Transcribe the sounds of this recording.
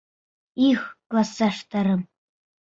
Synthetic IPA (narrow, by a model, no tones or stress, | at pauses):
ixklasaʂt̪ʰɐɾɨm